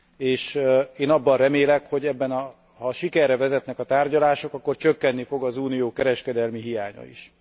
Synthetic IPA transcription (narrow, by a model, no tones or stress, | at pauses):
eːʃeːnɒbːɒnrɛmeːlɛkho̞ɟɛbːɛnɒ | hɒʃikɛrːɛvɛzɛt̪nɛkɒt̪aːrɟɒlaːʃo̞kɒkːo̞rt͡ʃøkːɛnːifo̞ɡɒzuːnijoːkɛɾɛʃkɛd̪ɛlmiɦijaːɲɒ̰ḭʃ